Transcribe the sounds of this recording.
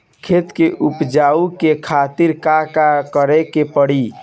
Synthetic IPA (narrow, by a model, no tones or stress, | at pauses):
kʰet̪keʔupd͡ʒaukekʰat̪iɾkakakəɾɛkepəɽ̤i